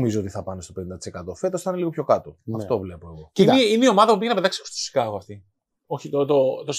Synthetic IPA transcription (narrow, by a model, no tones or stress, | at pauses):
mizoot̪iθɐpɐnest̪o̞pe̞nind̪ɐt̪ise̞kɐt̪o̞fe̞t̪osθineliɣo̞pço̞kɐt̪oɐft̪o̞vle̞poeɣo̞ceineineio̞mɐðɐpupiʝenɐpeðɐksi̥ko̥st̪osi̥kɐɣoɐft̪i | oçit̪ot̪ot̪os